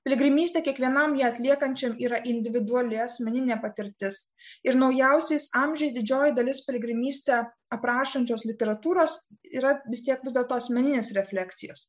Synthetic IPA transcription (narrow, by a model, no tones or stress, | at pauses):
pʲlʲɪɡɾʲɪmʲiːst̪ʲeːkʲiɛkʋʲiɛnɐmjiɛɐt̪ʲlʲiɛkɐnʲt͡ʃʲɛmiːɾɐʔɪnʲd̪ʲɪʋʲɪd̪ʊɐlʲɪɐsʲmʲɛnʲɪnʲeːpɐt̪ʲɪɾʲt̪ʲɪs | ɪɾnɒʊjɛʊsʲɛɪsɑːmʲʒʲɛjsd̪ʲɪd͡ʒʲoːjɪd̪ɐlʲɪspʲɪlʲɪɡɾʲɪmʲiːsʲt̪ʲeː | ɐpɾɑːʃɐnʲt͡ʃʲoːslʲɪt̪ʲɛɾɐt̪uːɾoːsiːɾɐʋʲɪst̪ʲiɛkʋʲɪzd̪ʲɛlˠt̪oːɐsʲmʲɛnʲɪnʲeːsɾʲɛfʲlʲækt̪sʲɪjo̰ːs